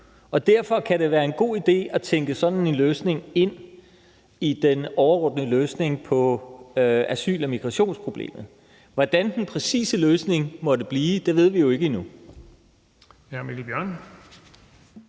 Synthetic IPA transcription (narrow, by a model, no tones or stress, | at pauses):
ɒ̽d̥æɐ̰fɒ̽kʰæɾe̝ʋæːɐe̝nɡ̥o̝̰ːid̥e̝̰ːɒ̽t͡sʰeŋɡ̥əsɒ̽d̥n̩e̝nløːsne̝ŋe̝n̰ | id̥enɒʊɐʁɔ̽d̥nəløːsne̝ŋpʰɒ̽ | æsy̰ːlɒmiɡ̥ʁɑɕo̝̰ːnspʰʁo̝b̥lḛːmð̩ˠ | ʋɒd̥ænd̥enpʰʁɛsḭːsəløːsne̝ŋmɒ̽ɾ̥əb̥liːd̥e̝ʋe̝ð̞̰ˠʋijo̝e̝ɡ̥əinu | hæmilib̥jɶɐ̰n